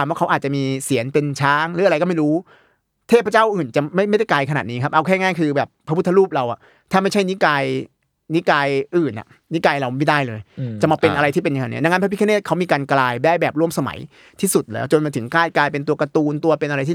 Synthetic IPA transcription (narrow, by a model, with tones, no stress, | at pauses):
a˧mwaː˥˩a˦˥ʔːt̚t͡ɕa˨ʔmiː˧si˨˩˦ənpe˧nt͡ɕʰaː˦˥ŋlɯː˨˦a˧ɾa˧jkɔː˥ma˥˩jɾuː˦˥ | t̪ʰeː˥˩p̚ʰːa˦t͡ɕaː˥˩wʔɯː˨˩nt͡ɕa˨˩ma˥˩jma˥˩jda˥˩jklaː˧jkʰa˧naː˨˩t̪̚niː˦˥kʰa˦˥p̚ʔa˧wkʰɛː˥˩ŋaː˥˩jkʰɯː˧bɛː˨˩pʰːa˦˥pu˥t̪ʰːa˦ɾuː˥˩p̚ɾa˧wʔa̰˨˩ | t̪ʰaː˥˩ma˥˩t͡ɕʰa˥˩jni˦˥kaː˧j | ni˦˥kaː˧jʔɯː˨˩nʔa̰˨˩ | ni˦˥kaː˧jɾa˧wma˩ma˥˩daː˥˩jlɤː˧jt͡ɕa˨˩ʔmaː˧˩˧pe˧nʔa˧ɾa˧jt̪iː˥˩pe˧nja˧ŋa˧nḭ˦˥˩na˧ŋa˦˥pʰːpʰi˥kʰːneː˥˩kʰa˦˥wmiː˧kaː˧nklaː˧jbaː˥˩jbɛː˨˩p̚ɾu˥˩msa˧ma̰˩˦j | t̪ʰiː˥˩su˨˩t̪̚lɛ̰ː˦˥wt͡ɕo˧nmaː˧t̪ʰɯ˩˦ŋklaː˥˩jklaː˧jpe˧nt̪u˧ɐka˧t̪uː˧nt̪u˧ɐpe˧nʔa˧ɾa˧j̪ʰiː˥˩